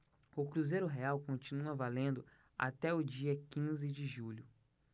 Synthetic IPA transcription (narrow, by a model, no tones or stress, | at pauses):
ʊkɾuzejɾʊɦeawkõt͡ʃinuɐvalẽnd̪ʊ | a̰t̪ɛʊd͡ʒiɐkĩzɪd͡ʒɪʒuʎʊ